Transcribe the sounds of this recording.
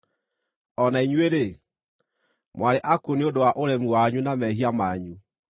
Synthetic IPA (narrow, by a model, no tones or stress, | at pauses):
ɔnaiɲueɾe | mwaɾeʔakoneodowaʔoɾɛmuaɲunamɛɦiamaɲu